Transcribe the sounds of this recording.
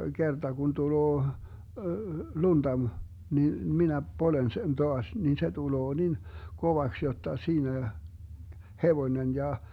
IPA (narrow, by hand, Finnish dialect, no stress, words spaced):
ɡ̊ertɑ kun tuloː lund̥ɑ m nin minæ polen sen toɑs nin se tuloː nin koʋɑks jotːɑ siːnæ heʋonen jɑ